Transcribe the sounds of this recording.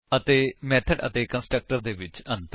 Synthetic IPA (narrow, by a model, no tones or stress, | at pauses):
ət̪eːmɛːt̪ʰəɖə̰t̪eːkə̃nsʈɾək̚ʈəɾd̪eːʋɪt͡ʃə̃nt̪